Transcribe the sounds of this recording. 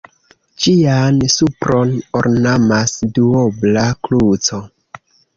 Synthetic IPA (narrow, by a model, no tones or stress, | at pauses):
d͡ʒiansupɾonoɾnamasduoblaklut͡so